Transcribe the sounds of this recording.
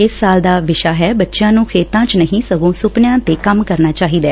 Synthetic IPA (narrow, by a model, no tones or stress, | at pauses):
ɪsːaːld̪aːʋɪʃaːɦɛːbətːʃjãːnũːkʰeːt̪ãːt͡ʃnəɦĩːsəɡõːsʊpnjãːt̪eːkəmkəɾnaːt͡ʃaːɦiːd̪aː